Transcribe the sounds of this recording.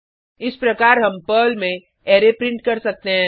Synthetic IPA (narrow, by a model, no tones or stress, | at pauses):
ɪspɾɐkaːɾɦɐmpəːlmẽ | eːɾepɾɪ̃ɳʈ̚kɐɾsɐk̚t̪eɦɛ̃ː